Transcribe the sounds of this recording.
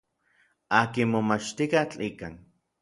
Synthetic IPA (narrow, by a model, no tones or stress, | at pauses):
aːkinmomat͡ʃt̪ikat͡ɬikaːn